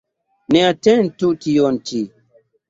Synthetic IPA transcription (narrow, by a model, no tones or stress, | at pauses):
nɛatɛn̩tutijɔn̩tʰi